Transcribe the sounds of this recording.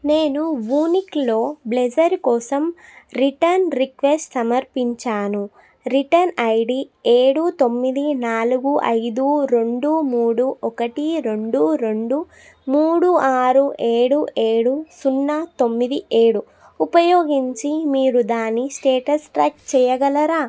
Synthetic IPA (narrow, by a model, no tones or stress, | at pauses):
ne̞ːnuʋuːniklo̞ːbled͡ʒɐɾkɔːsɐmɾiʈɐɾnɾikʋesʈsɐmɐɾpiɲt͡ʃaːnu | ɾiʈɐnɐjɖieːɽut̪o̞mːid̪inaːluɡuʔɐ̰jd̪uɾe̞ɳɖumuːɽuɔkɐʈiɾe̞ɳɖuɾeɳɖu | muːɽuaːɾueːɽuʔeːɽusunːɐt̪o̞mːid̪iʔeːɽu | upɐjoːɡiɲt͡ʃimiːɾud̪aːnːisʈeːʈɐsʈɾɐkt͡ʃɛːjɐɡɐlɐɾaː